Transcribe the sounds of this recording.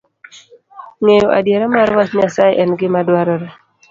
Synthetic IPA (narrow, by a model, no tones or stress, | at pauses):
ŋejoʔa̰djeɾamaɾwasɲasajʔɛnɡɪmadwaɾɔɾɛ